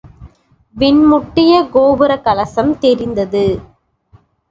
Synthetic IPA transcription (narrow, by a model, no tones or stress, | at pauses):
ʋɪɳmʊʈːɪjɐɡoːbɯɾɐkɐlɐsɐmt̪ɛɾɪnd̪ɐðɯ